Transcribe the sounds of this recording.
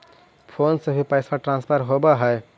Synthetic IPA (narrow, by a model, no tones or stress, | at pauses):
pʰoːnsebʱipəɪsaʈɾãːnspʰəɾɦobaɦɛe